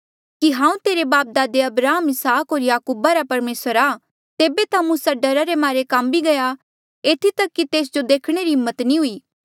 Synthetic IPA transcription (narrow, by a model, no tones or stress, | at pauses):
kiɦãːũt̪eːɾebaːp̚d̪aːd̪eɐbɾaːɦəmɪsaːkɦoːɾjaːkuːbaɾapɐɾmeːsəɾa | t̪eːbet̪ãmũːsaɖɐɾaɾemaːɾekambiɡɐja | eːt̪ʰit̪ɐkːit̪eːs̬d͡ʒod̪eːkʰɽ̃eɾiɦɪmːət̪nĩɦʊiː